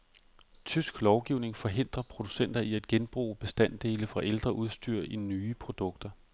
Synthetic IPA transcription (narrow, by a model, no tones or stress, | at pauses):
t͡sʰysɡ̥lɒʊɡ̥iʊne̝ŋfɒ̽ɦe̝n̰d̥ʁɐpʰʁo̝d̥u̥sen̰d̥ɐʔiæd̥ɡ̥enb̥ʁṵːb̥e̝sd̥æn̰d̥e̝ːləfʁɑ̈ʔeld̥ʁɐʔuð̞ˠsd̥yɐ̰inyːpʰʁo̝d̥ɔ̽ɡ̥̚d̥ɐ